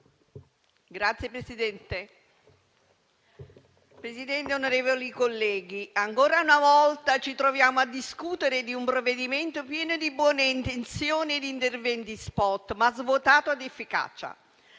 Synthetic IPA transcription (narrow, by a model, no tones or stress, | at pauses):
ɡɾat̪sjepɾesid̪ɛnt̪e | pɾesid̪ɛnt̪eonoɾeːvolikolːɛːɡ̟iaŋkoːɾaunavɔlt̪at͡ʃit̪ɾovjaːmoad̪ːiskut̪eɾed̪iumpɾoved̪iment̪opjɛːnod̪ibwɔːneint̪ent̪sjoːnid̪int̪ervɛnt̪ispɔt̪mazvot̪aːt̪oad̪efːika̰ːt͡ʃa̰